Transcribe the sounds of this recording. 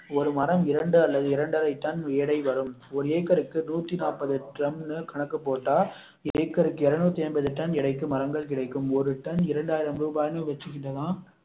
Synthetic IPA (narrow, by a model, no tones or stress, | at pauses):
ɔɾɯmɐɾɐmɪɾɐɳɖɯɐlːɐðɯɪɾɐɳɖɐɾɐɪt̪ːɐnʋeːɽɐɪʋɐɾɯmɔɾɯeːkːɐɾɯkːɯnuːt̪ːinaːpɐðɯʈɾɐmnɯkɐɳɐkːɯpːoːʈːaː | eːkːɐɾɯkːɯɪɾɐnuːt̪ːeːmbɐðɯʈːɐnɪɽɐɪkːɯmɐɾɐŋɡɐɭkɪɽɐɪkːɯmɔɾɯʈɐnɪɾɐɳɖaːjɪɾɐmɾuːbaːjɐnɯʋɛt͡ʃːɯɣɪɳrɐðãː